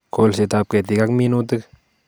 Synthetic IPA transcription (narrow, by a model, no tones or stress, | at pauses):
kolset̪ap̚ket̪ikakminut̪ɨk